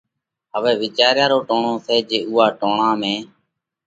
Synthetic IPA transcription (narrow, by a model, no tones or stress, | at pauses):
ɦəʋɛːʋɪt͡ʃaːɾjaːɾoːʈoːɳoːsʰɛːd͡ʒeːʔʊɦaːʈoːɳaːmẽː